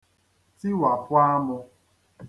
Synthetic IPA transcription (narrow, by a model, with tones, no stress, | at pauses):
ti˦wa˨pʊ˦a˦mʊ˧